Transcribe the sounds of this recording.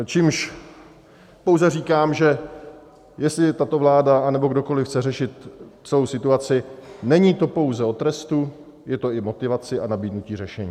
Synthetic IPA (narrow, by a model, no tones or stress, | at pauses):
t͡ʃiːmʃ | po̞wzɛriːkaːmʒɛ | jɛst̪lɪt̪at̪o̞vlaːdaanɛbo̞ɡdo̞ko̞lɪfxt͡sɛrɛʃɪt̪t͡sɛlowsɪt̪uat͡sɪnɛɲiːt̪o̞po̞wzɛo̞t̪ɾɛst̪u | jɛt̪o̞ɪmo̞t̪ɪvat͡sɪanabiːdnuciːrɛʃɛɲiː